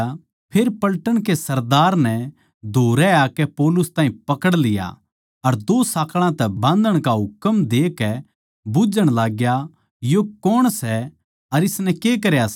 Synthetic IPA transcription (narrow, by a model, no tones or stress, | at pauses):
pʰeːɾpɐlʈəɽ̃kesɐɾd̪aːɾnɛ̃ | d̪ʱoːɾɛaːkɛpɔːlʊst̪ãːɦĩpɐkəɽlɪja̰ | ɐɾd̪oːsaːkʰɭ̃ãt̪ɛbãːnd̪ʱəɽ̃kaɦʊkəmd̪eːkɛ | bʊd͡ʒəɽ̃laːɡja | jokɔɽ̃sɛ | ɐɾɪsnɛ̃kek̬ɐɾjas